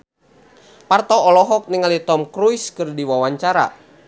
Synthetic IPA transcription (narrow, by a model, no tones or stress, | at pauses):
part̪ɔɔlɔɦɔk̚niŋalit̪ɔmkɾuiskɨrdiwawaɲt͡ʃaɾa̰